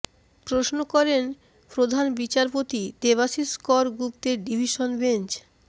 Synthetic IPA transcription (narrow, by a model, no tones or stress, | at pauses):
pɾosnokɔɾen | pɾod̪ʱanbit͡ɕaɾpot̪id̪eβasiskɔɾɡɾupt̪eɾɖibʱiʃonbent͡ɕ